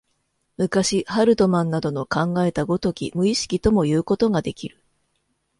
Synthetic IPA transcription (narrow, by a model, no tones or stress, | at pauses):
mɯ̟kaɕihaɾɯ̟t̪o̞mãnːad̪o̞no̞kãŋɡae̞t̪aɡo̞t̪o̞kʲḭmɯ̟iɕi̥kʲit̪o̞mo̞jɯ̟ːko̞t̪o̞ɡad̪e̞kʲiɾɯ̟̥